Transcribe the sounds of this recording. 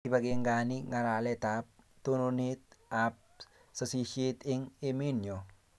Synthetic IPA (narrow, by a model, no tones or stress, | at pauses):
ibaɡeŋɡaniŋaɾalɛt̪ap̚t̪ononit̪̚ap̚ | sasiʃit̪ɪŋɪminjo